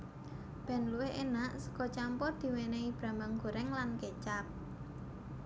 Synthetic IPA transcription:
b̥ɛ̤nluwɪhenaʔsə̥kɔt͡ʃampɔrd̪̥i̤weneib̥ɾa̤maŋɡ̥o̤ɾɛŋlanket͡ʃap̚

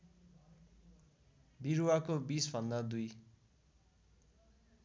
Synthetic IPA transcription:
biɾwakobisbʱʌnd̪ad̪uj

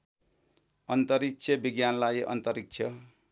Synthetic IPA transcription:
ʌnt̪ʌɾik̚t͡sʰʌbiɡjanlajʔʌ̰nt̪ʌɾik̚t͡sʰjʌ

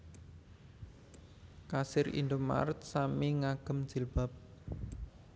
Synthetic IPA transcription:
kasɪɾḭnd̪ʊma̰ɾt̪̚samiŋaɡ̥ə̤m̥d͡ʒ̥ilb̥a̤p̚

